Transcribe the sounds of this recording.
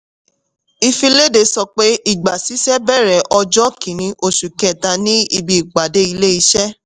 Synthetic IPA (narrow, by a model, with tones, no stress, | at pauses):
i˧fĩ˧le˦de˨˧˦sɔ˧k͡pe˦i˦˨ɡ͡ba˨si˨˦sɛ˦bɛ˦˨ɾɛ˨ʔɔ˧d͡ʒɔ˦kʰĩ˨nĩ˧˦ʔo˦˨ʃu˨kɛ̃˨ta˧nĩ˦i˧bi˨i˨k͡pa˨de˦i˧le˦i˧ʃɛ˦